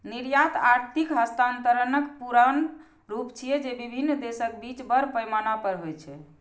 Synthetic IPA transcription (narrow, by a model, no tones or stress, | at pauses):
niɾjat̪aɾt̪ʰikɦəst̪ant̪əɾənəkpuɾan | ɾupt͡ʃʰijɛd͡ʒebibʱinːd̪esək̚bit͡ʃbəɾpəjmanapəɾɦojt͡ʃʰɛ